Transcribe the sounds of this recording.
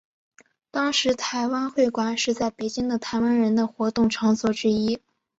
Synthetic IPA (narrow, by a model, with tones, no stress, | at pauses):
t̪ɑ˥ŋʂɻ̩˧˥t̪ʰa˧˥ɪwa˥nxwe˥˩ɪkwa˧˥nʂɻ̩˥˧t͡sa˥˩ɪpe˧˥ɪt͡ɕi˥ŋd̪ə˨t̪ʰa˧˥ɪwa˥nɻə˧˥nd̪ə˧xwɔ˧˥t̪ʊ˥˩ŋʈ͡ʂʰɑ˧˥ŋt͡swɔ˥˩ʈ͡ʂɻ̩˥i˥